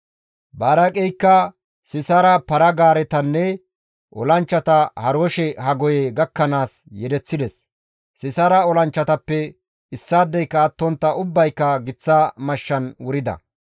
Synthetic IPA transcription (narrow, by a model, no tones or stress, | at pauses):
baːɾɐkʼɛjkːɐ | sɪsaːɾɐpɐɾɐɡaːɾɛt̪ɐnːɛ | ʔɔ̰lɐnt͡ʃːɐt̪ɐhɐɾoːʃɛhɐɡɔjɛɡɐkːɐnaːs | jɛd̪ɛt͡sːɪd̪ɛs | sɪsaːɾɐɔlɐnt͡ʃːɐt̪ɐpːɛ | ɪsːaːd̪ːɛjkːɐːt̪ːɔnt̪ːɐʔʊbːɐjkːɐɡɪt͡sːɐmɐʃːɐnwʊɾɪd̪ɐ̰